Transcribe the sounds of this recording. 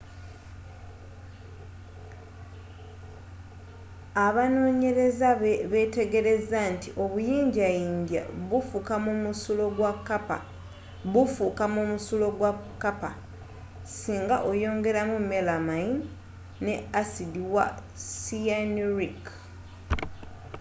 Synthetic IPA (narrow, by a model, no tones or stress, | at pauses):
aβano̞ːɲe̞ɾe̞zaβeβe̞te̞ɡe̞ɾe̞zantiʔo̞βujiːɲɟajiːɲɟa̰βufukamumusulo̞ɡwakːapa | βufukamomusulo̞ɡwakːapa̰ | siːŋɡaʔo̞jo̞ːŋɡe̞ɾamumelamajin | neasidiwa̰ | sianɾik